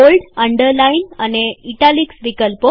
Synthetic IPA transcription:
olɖəɳɖəɾlainaneiʈaliksʋikəlpo

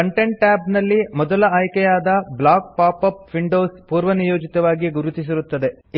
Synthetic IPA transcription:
ɐɳʈeɳʈːaːbnɐlːimɔd̪ɐlɐaːjkɛjaːd̪ɐblaːk̚paːpɐp̚ʋiɳɖoːspuːɾʋɐnijoːd͡ʒit̪ɐʋaːɡiɡuɾut̪is̬iɾut̪ːɐd̪e

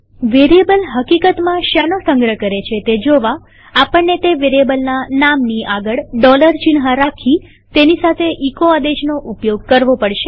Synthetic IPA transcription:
ʋeɾijebəlɦəkikət̪mãʃanosəŋɡɾəkəɾet͡ʃʰet̪ed͡ʒoʋa | apəɳːet̪eʋeɾiebəlnanamniʔaɡəɭɖɔləɾt͡ʃinɦaɾakʰi | t̪enisat̪ʰeʔikoad̪ed͡ʒnoʔupjoɡ̚kəɾʋopəɽʃe

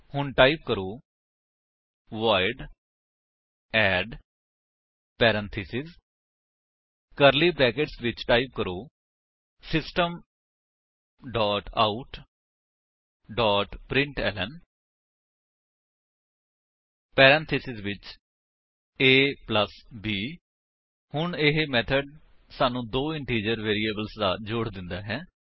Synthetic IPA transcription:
hʊɳʈaːip̚kəɾoː | ʋaːɪɖ | ɛːɖ | pɛːɾə̃nt̪ʰisɪz | kəɾliːbɛːkeʈsʋɪt͡ʃʈaːip̚kəɾoː | sɪsʈəm | ɖɔːʈaːuʈ | ɖɔːʈpɾɪ̃ɳʈɛ̰ːlən | pɛːɾɛ̃ːnt̪ʰɪsɪzʋɪt͡ʃ | eːpləsbiː | hʊɳɪɦemɛːt̪ʰəɖ | saːnũːd̪oːɪ̃ɳʈiːd͡ʒəɾʋeːɾiːeːbəlsd̪a̰ːd͡ʒoːɽd̪ɪ̃nd̪a̰ːɦɛː

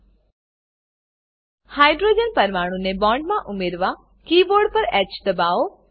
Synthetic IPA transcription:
haːjɖɾoːd͡ʒənpəɾmaːɽ̃ũnebɔ̃ːɳɖmãʔʊmeɾʋa | kiːboɾɖ̚pəɾɛt͡ʃd̪əbao

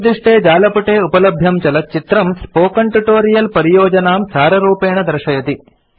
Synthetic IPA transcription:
d̪ɾiʂʈeːd͡ʒaːlɐpuʈeːupɐlɐbʱjɐmt͡ʃɐlɐt̪̚t͡ʃit̪ɾɐmspoːkɐɳʈuʈoːɾijɐlpɐɾijoːd͡ʒɐnaːmsaːɾɐɾuːpeːɳɐd̪ɾɐʃɐjɐt̪i

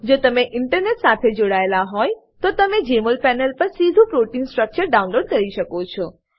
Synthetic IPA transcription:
d͡ʒot̪əmeʔɪɳʈəɾneʈsat̪ʰed͡ʒoɽaelaɦɔj | t̪ot̪əmed͡ʒeməlpɛnəlpəɾsid̪ʱũpɾoʈinsʈɾək̚t͡ʃəɾɖaunloɖ̚kəɾiʃəkot͡ʃʰɔ

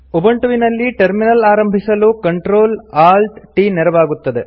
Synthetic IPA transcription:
ubɐɳʈuʋinɐlːiʈɐɾminɐlaːɾɐmbʱisɐlukɐɳʈɾoːlaːlʈʈinɛɾɐʋaːɡut̪ːɐd̪e

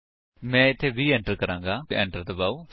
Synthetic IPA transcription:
mɛ̃ːɪt̪ʰːeːʋiːɛ̃ːɳʈəɾkəɾãːŋɡaːɛ̰̃ːɳʈəɾd̪əbaːuː

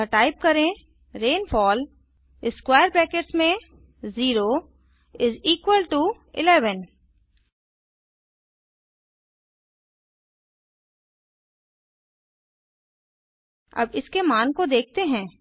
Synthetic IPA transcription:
əʈaːɪp̚kɐɾẽ | ɾẽːnfɔːl | ɪskwaːjəɾpɛːkeʈsmẽ | ziːɾo | ɪziːkʋəlʈu | ɪ̰lɛːʋən | ɐ̰bɪskemaːnkod̪eːk̚ʰt̪eɦɛ̃ː

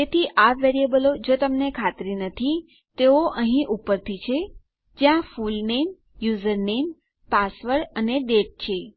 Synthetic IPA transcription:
et̪ʰiʔaʋeɾiebəlod͡ʒot̪əmnekʰat̪ɾinət̪ʰi | t̪eoʔəɦĩʔupəɾt̪ʰit͡ʃʰe | d͡ʒjãfulnem | juzəɾnem | pasʋəɾəneɖeʈ̚t͡ʃʰe

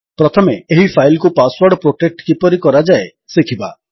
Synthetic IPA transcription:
pɾɔt̪ʰɔmeeɦipʰajlkupaswaɾɖpɾoʈek̚ʈkipɔɾikɔɾad͡ʒae | sikʰiba

